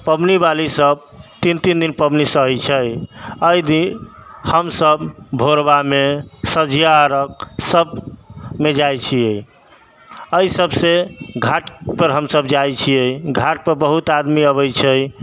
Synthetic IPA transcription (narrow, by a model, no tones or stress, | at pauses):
pəbnibalisəb | t̪int̪ind̪inpəbnisəɦɛt͡ʃʰəjəjd̪ihəmsəbbʱoɾbamesəd͡ʒijaɾək̚səbmed͡ʒajt͡ʃʰije | əjsəbseɡʱaʈpəɾɦəmsəbd͡ʒajt͡ʃʰijeɡʱaʈ̚pəɾbəɦut̪ad̪miəβəjt͡ʃʰəj